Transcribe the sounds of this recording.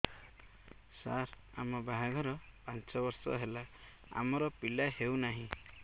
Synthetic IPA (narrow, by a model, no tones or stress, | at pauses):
sa̰ɾ | a̰mɔbaɦaɡʱɔɾɔpant͡ʃɔbɔɾsɔ̰ɦela | a̰mɔɾɔpilahewnaɦĩ